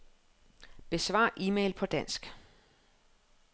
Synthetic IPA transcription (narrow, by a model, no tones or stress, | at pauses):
b̥e̝sʋɑ̰̈ːʔiːmḛɪlpʰɒ̽d̥æn̰sɡ̥